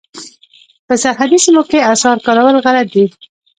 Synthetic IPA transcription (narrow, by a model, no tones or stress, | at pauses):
pəsaɦad̪isimokeasɑɾkɑɾawəlɣalat̪̚d̪i